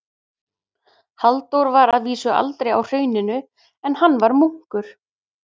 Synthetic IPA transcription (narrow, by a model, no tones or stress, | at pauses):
halt̪owɾvaɾaðviːsʏa̰lt̪ɾeja̰wr̥œːɥnɪnʏ | ɛnhanːvaɾmuŋ̥kʏɾ̥